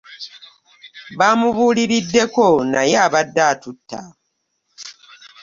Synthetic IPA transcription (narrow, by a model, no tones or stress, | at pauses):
βamuβuːliɾidːe̞konajaaβadːaːtutʰːa̰